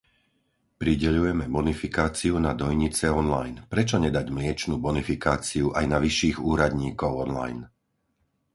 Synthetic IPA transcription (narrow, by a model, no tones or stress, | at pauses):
pɾiɟɛʎujɛmɛbɔnifikaːt͡siunad̪ɔjɲit͡sɛɔnla̰jnpɾɛt͡ʃɔɲɛd̪aɟmlɪɛt͡ʃnuːbɔnifikaːt͡siuʔajnaʋiʃːiːɣuːɾad̪ɲiːkɔʊɔnla̰jn